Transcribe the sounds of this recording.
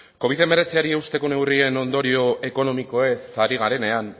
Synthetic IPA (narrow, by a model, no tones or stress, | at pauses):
ko̞β̞iðe̞me̞ɾe̞t͡siaɾiewst̪e̞ko̞ne̞wrie̞no̞nd̪o̞ɾio̞e̞ko̞no̞miko̞e̞saɾiɣ̞aɾe̞ne̞an